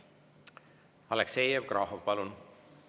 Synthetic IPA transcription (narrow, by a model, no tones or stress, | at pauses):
ɑlɛksejev̚krʔɑɦopɑlun